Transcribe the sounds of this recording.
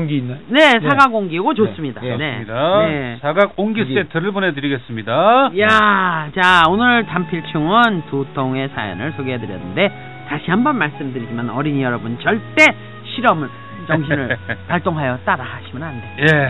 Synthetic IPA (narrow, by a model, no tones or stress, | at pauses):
ŋɡinːne̞sʰaɡaɡoŋɡiɡot͡ɕos͈ɯmɲidaneidajesʰaɡaɡoŋɡis͈etʰɯɾɯɭbone̞dɯɾiɡe̞s͈ɯmɲidajat͡ɕaonɯɭtampʰiɭt͡ɕʰuŋɯntotʰoŋe̞sʰajʌ̰nɯɭsʰoɡeɦedɯɾjʌnːɯnde̞ | taɕʰiɦambʌnmaɭs͈ɯmdɯɾid͡ʑimanʌɾiɲijʌɾʌbunt͡ɕʌɭt͈e̞ | ɕʰiɾʌm | t͡ɕʌŋɕ̬ʰnɯɭpaɭt͈oŋɦajʌt͈aɾaaɕʰimʌnandee